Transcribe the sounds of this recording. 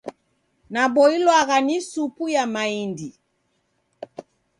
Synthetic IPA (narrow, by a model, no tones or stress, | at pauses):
nabɔilwaɣanisupujamaindi